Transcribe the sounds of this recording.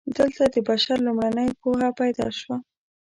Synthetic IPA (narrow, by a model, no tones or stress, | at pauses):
d̪əlt̪ad̪əbaʃaɾlumɽanəjpoɦapajd̪ɑ̰ʃwa